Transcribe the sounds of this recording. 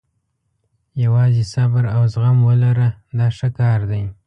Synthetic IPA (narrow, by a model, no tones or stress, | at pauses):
jawɑzesabaɾawzɣamwəlaɾad̪ɑʂəkɑɾd̪aj